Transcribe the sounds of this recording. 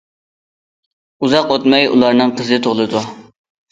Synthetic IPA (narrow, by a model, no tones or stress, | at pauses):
uzɑqot̪mɛjṵlˠɑɾnɨŋqʰəzɨt̪ʰoʁlˠɨd̪u